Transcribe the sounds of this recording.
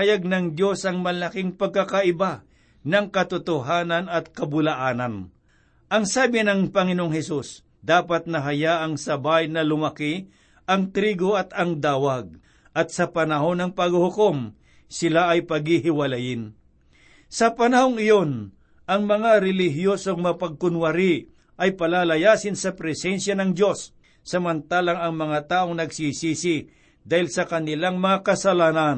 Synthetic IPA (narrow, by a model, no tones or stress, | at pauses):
ɐjaɡ̚nɐŋd̪jo̞sʔɐŋmɐlakɪŋpɐɡ̚kakaʔɪba | nɐŋkɐt̪ʊt̪ʊɦaːnɐnɐt̪̚kɐbʊlaʔaːnɐn | ʔɐŋsaːbɪnɐŋpɐŋɪnoʔoŋhɛsus | d̪aːpat̪̚nɐɦɐjaʔɐŋsɐbajnɐlʊmɐki | ʔɐŋt̪ɾiːɡoɐt̪ɐŋd̪aːwaɡ̚ | ʔɐt̪̚sɐpɐnɐɦo̞nɐŋpɐɡhʊkom | sɪlaʔɐjpɐɡhiɦɪwɐlajɪn | sɐpɐnɐhoŋɪjo̞n | ʔɐŋmɐŋaɾɛlɪɦjosoɡmɐpɐɡ̚kʊnwɐɾɪ | ʔɐjpɐlaːlɐjaːsɪnsɐpɾɛsɛnsjanɐŋd̪jo̞sː | ɐmɐnt̪aːlaŋɐŋmɐŋat̪aːʔo̞ŋnɐɡsisiːsɪ | d̪aːhɪlsɐkɐnɪlaŋmɐŋakɐsɐlaːnan